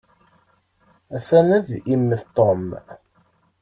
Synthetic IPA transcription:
æsænæðimːəθt̪ˤːom

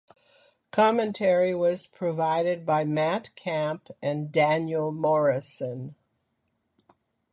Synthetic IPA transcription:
kʰɑmɨ̃ntʰɛɹiwʌz̥pʰɹ̥ɨvaɪɾɨd̚baɪmætkʰæ̃mpɨ̃ndæ̃njl̩ˠmɔɹɨsə̃n

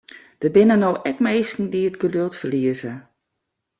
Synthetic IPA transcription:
d̥əbɪnənowʔɛkmeːskn̩diətɡ̥ədølˠtfərliəzə

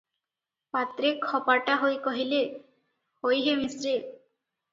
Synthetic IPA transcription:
pat̪ɾekʰɔpaʈaɦojkɔɦile | hojɦemisɾe

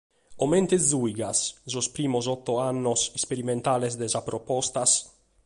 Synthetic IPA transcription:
oment̪ezujɡaszospɾiːmosɔt̪ːoanːosɛkspeɾiment̪alesd̪ezapɾopɔst̪as

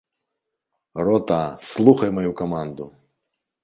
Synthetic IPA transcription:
rɔt̪aslˠuxɐjmɐjukɐmand̪ʊ

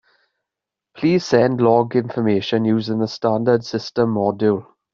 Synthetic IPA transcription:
pʰl̥iːz̥sɛ̃ndlɔɡɪ̃ɱfəmeɪʃə̃njuːzɪ̃ŋðəstãndəd̥sɪstə̃mːɔdulˠ

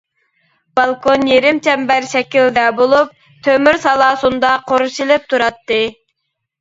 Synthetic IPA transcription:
b̥ɑlˠkʰonjeɾɪmt͡ʃʰɛmbæɾʃɛkʲild̪ɛbolˠup̚ | t̪ʰømyɾsɑlˠɑːsund̪ɑqʰoɾuʃilɪp̚t̪ʰuɾɑt̪ːɨ

